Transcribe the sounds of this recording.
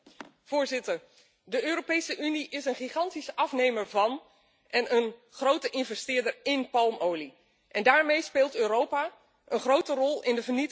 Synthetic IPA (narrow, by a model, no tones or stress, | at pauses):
v̥ʊːɹzɪtəɹ | dəøːɾopejsəʔyniʔɪsənχiχɑntisɑfnejməɹvɑn | ʔɛnənχrowtəʔɪnvɛstɪːɹdəɹɪnpɑlˠmowli | ʔɛndaːɹmejspeːlˠtøːɾowpa | ʔənχrowtərɔlˠɪndəvəɹnit